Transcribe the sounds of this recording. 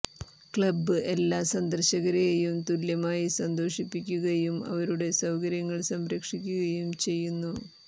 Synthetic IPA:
kɭɐbːɨʔe̞lːaːsɐnd̪ɐrɕɐɣɐɾejumt̪uljɐmaːjisɐnd̪o̞ːʂipːikʲːuɣɐjumɐ̰ʋɐɾuɽe̞sɐwkɐɾjɐŋːɐɭsɐmɾɐkʂikʲːuɣɐjumt͡ɕe̞jːunːu

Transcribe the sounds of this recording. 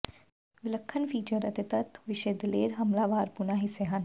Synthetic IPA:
ʋɪləkʰːənpʰiːt͡ʃəɾət̪et̪ət̪ʋɪʃeːd̪ɪleːɾɦɐmlaːʋaːɾpʊnaːɦɪseːɦən

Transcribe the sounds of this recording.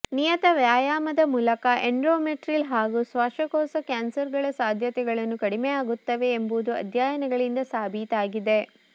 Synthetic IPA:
nijɐt̪ɐʋjaːjaːmɐd̪ɐmuːlɐkɐʔeɳɖɾoːmeʈɾilɦaːɡusʋɐʂɐkɔːsɐkjaːnsɐɾɡɐɭɐsaːd̪ʱjɐt̪ɛɡɐɭɐnːukɐɽimejaːɡut̪ːɐʋe̞ːmbud̪uɐ̰d̪ʱjaːjɐnɛɡɐɭind̪ɐsaːbʱiːt̪aːɡid̪e̞

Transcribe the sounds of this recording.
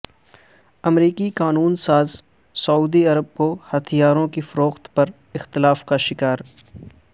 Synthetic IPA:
ɐmɾiːkikaːnuːnsaːz | sɐuːd̪iɐɾəb̚kohɐt̪ʰijaːɾõkifɐɾoːxt̪pɐɾ | ɪxt̪ɪlaːfkaʃɪkaːɾ

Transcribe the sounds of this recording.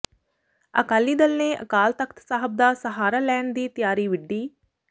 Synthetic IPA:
ə̰kaːlːiːd̪əlneːʔə̰kaːlt̪əkʰt̪saːɦəb̚d̪aːsəɦaːɾaːlɛːɳd̪iːt̪ɪjaːɾiːʋɪɖːiː

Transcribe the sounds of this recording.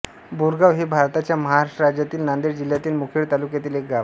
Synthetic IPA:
buɾɡaʋɦebʱaɾt̪at͡ɕjaməɦaɾaʂʈəɾad͡ʑjat̪iːlnand̪eɾd͡ʑil̤jat̪iːlmukʰiɭt̪alukjat̪iːlek̚ɡa

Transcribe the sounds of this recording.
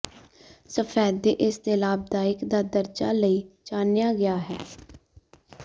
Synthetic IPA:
səpʰɛːeːʔɪst̪eːlaːb̚d̪aːɪkd̪aːd̪əɾd͡ʒa̰ːləiːt͡ʃaːnjaːɡɪjaːɦɛ̰ː

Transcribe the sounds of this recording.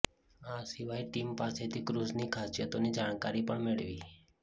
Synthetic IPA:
asiʋajʈimpaset̪ʰikɾuznikʰasijət̪onid͡ʒaɳ̃kaɾipəɳmeɭʋi

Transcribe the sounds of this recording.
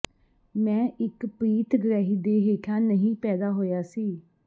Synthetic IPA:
mɛ̃ːʔɪkpiːt̪ɡəɾɛːɦiːd̪eːɦeːkʰãːnəɦĩːpɛːd̪aːɦoːjaːsiː

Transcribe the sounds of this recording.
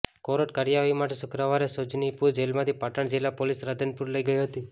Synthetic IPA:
koɾoʈ̚kaɾjaʋimaʈesʊkɾaʋaɾesot͡ʃnipuɾd͡ʒelmãt̪ʰipaʈəɳd͡ʒilapolisɾad̪ənpuɾləiɡəjiɦət̪i

